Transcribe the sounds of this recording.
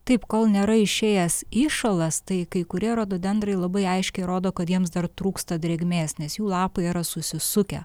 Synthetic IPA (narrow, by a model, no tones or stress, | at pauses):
t̪ɐɪpkoːlˠnʲeːɾɐɪʃʲeːjɛsiːʃolˠɐst̪ɐɪkɐɪkʊɾʲiɛɾoːd̪oːbʲɛnd̪ɾɐɪlˠɐbɐɪɐɪʃʲkʲɛɪɾoːd̪oːkɐt̪jiɛms̬d̪ɐrt̪ɾuːkst̪ɐd̪ʲɾʲeɡʲmʲeːsnʲɛsjuːlˠɑːpɐɪiːɾɐsʊsʲɪsʊkʲɛ̰